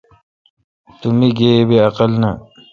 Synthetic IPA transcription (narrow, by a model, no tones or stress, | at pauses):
t̪umiɡeːbeɐqɐlnɐ